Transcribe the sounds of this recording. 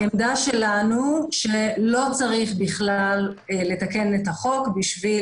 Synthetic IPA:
emd̪aʃe̞lanuʃelo̞t͡saʁiχbiχlal | le̞take̞netaχo̞kbiʃvi

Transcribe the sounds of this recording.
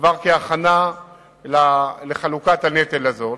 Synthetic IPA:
vaʁkeaχana | laleχalukat̪anet̪elazo

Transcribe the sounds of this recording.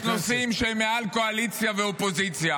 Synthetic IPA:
nosimʃeemːealko̞alit͡sjaveopo̞zit͡sja

